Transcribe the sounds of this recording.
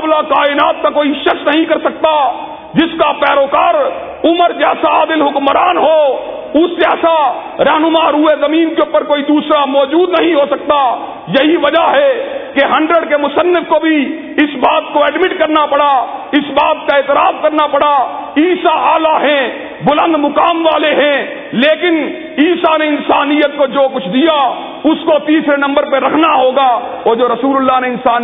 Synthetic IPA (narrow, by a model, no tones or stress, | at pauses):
blakaːɪnaːt̪̚kakoːiʃəsnəɦĩkɐɾsək̚t̪a | d͡ʒɪskapɛːɾoːkaːɾ | ʊməɾd͡ʒɛːsaaːd̪ɪlɦʊkmɾaːnɦo | ʊsd͡ʒɛːsa | ɾɛːɦnʊmaːɾuezəmiːnkeupəɾkoːid̪uːsɾamɔːd͡ʒuːd̪nəɦĩɦosək̚t̪a | jɐɦiʋəd͡ʒaɦɛkeɦə̃ɳɖɾəɖkemʊsənːɪfkobʱi | ɪsbaːt̪koɛːɖmɪʈkɐɾnapɐɽaɪsbaːt̪̚kaeːt̪ɪɾaːfkɐɾnapɐɽa | iːsaʔaːlaɦɛ̃ | bʊlə̃nd̪mʊkaːmʋaːleɦɛ̃ | leːkɪn | iːsaneɪnsaːnijət̪̚kod͡ʒoːkʊt͡ʃʰd̪ija | ʊskot̪iːsɾenɐ̃mbəɾpeɾɐkʰnaɦoːɡa | ɔːɾd͡ʒoːɾɐsuːlʊlːaneɪnsaːn